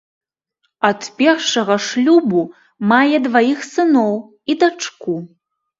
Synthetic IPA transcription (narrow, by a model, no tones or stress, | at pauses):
ɐt̪pʲɛrʂɐɣɐʂlʲubu | majɛd̪vajixsɨnɔw | id̪at͡ʂku